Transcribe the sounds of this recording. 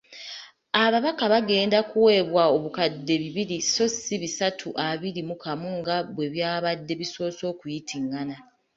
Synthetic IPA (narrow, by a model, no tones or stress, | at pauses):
aβaβakaβaɡe̞ːndakuwe̞βwao̞βukadːe̞βiβiɾiso̞siβisatʰuʔaβiɾimukʰamuŋɡaβwe̞βjaːβadːe̞βiso̞ːso̞ːkujitʰiŋɡana